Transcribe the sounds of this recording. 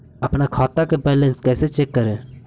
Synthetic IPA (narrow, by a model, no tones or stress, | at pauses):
ɐpnakʰaːt̪akebɛːlə̃nskɛːset͡ʃekːəɾeː